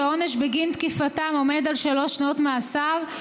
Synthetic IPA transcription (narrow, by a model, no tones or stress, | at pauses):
oneʃbeɡint̪kifatamo̞me̞d̪alʃalo̞ʃnaot̪measaʁ